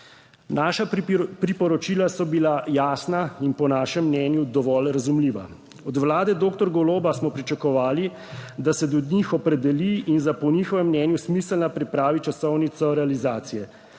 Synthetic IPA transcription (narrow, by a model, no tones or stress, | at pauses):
naːʃapɾipɔɾɔt͡ʃiːlasɔbilajaːsnainpɔnaːʃɛmːnɛːnjud̪ɔʋɔlɾazumliːʋa̰ | ɔd̪ʋlaːd̪ɛd̪oːk̚t̪ɔɾɡɔloːbasmɔpɾit͡ʃakɔʋaːli | d̪asɛd̪ɔd̪nixɔpɾɛd̪ɛliːnzapɔnixɔʋɛmːnɛːnjusmisəlnapɾipɾaːʋit͡ʃasɔwnit̪sɔɾɛalizaːt̪sijɛ